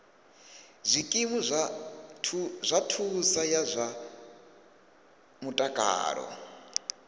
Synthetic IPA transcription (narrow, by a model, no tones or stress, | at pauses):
zʷikʼimua | zʷatʰusajazʷa | mutʼakʼa̰ːɺɔ̰